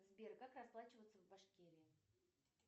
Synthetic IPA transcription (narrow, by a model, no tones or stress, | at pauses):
zbʲerkakrɐsplˠat͡ɕɪvət̪səvbɐʂkʲeɾʲɪɪ